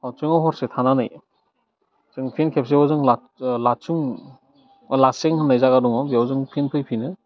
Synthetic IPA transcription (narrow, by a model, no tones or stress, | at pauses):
awt͡ʃɯŋawɦɔɾsetʰananɯj | t͡ʃɯŋpʰinkʰep̚seazɯŋla | lat͡ʃuŋ | laseŋhʰɯnːajzaɡaduŋɔbiawzɯŋpʰinpʰɯjpʰinɯ